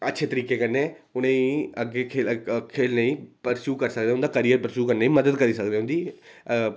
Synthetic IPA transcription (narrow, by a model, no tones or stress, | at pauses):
ətːʃʰeːt̪əɾiːkeːkəɾneːʊnẽːəɡeːkʰeːkʰeːlneĩːpəɾsuːkəɾsək̚d̪eːʊ̃nd̪aːkəɾiːjəɾpəɾsuːkəɾneːĩːməd̪əd̪kəɾiːsək̚d̪eːɦʊnd̪iː